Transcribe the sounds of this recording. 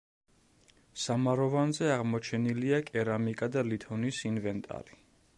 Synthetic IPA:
samaɾɔvanzɛaʁmɔt͡ʃʰɛniliakʼɛɾamikʼad̪alit̪ʰɔnisinvɛnt̪ʼa̰ɾi

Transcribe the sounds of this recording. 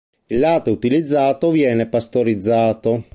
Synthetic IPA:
ilːaːt̪out̪ilid̪zːaːt̪ovjɛːnepast̪oɾid̪zːaːt̪o

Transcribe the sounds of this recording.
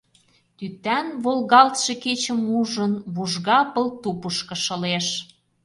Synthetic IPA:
t̪yt̪ænβolɣɑlt̪ʃeket͡ɕə̆muʒənβuʒɣɑpə̆lt̪upəʃkə̆ʃə̆leʃ

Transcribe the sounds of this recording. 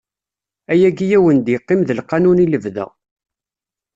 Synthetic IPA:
æjæɡijæwənd̪jeqːɪmðəlqːɑnuniləvðæ̰

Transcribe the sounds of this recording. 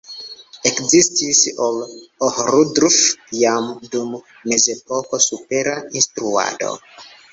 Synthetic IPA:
ekzistisolohɾudɾfjamdumː | e̞ze̞pokosupeɾainstɾua̰do̞̰

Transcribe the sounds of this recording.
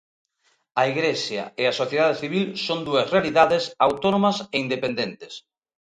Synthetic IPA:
ɐiɣɾesja̰easoθjeðaðeθiβ̞ilsoŋd̪uɐsrealiðaðesawt̪onomɐseind̪epend̪ent̪ɪ̥s

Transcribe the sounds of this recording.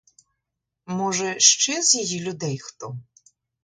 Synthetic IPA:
mɔʐɛʂt͡ʃɛzʲjajilʲud̪ɛjxt̪ɔ

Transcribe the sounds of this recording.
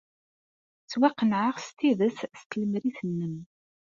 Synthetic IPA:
t͡sːwæqːənʕəʁst̪iðəsst̪ləmɾiθənːəm

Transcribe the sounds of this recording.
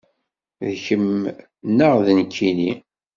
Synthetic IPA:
ðçəm | nːəʁðənkʰːini

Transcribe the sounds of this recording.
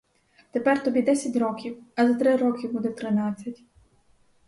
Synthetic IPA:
t̪epɛrt̪ɔbʲid̪ɛsʲɐtʲɾɔkʲiwɐzɐt̪ɾɪɾɔkʲibud̪ɛt̪ɾɪnɑt͡sʲːɐtʲ

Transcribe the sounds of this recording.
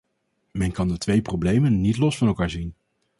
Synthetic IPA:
mɛnkɑndətʋejprowblejmənːitlɔsfɑnɛlˠkaːɹzin

